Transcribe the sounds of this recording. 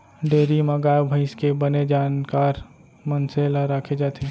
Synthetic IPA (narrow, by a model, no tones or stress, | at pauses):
ɖeːɾimɐɡaːbʱəɪskebəned͡ʒaːnkaːɾ | mənselɾakʰed͡ʒaːt̪ʰe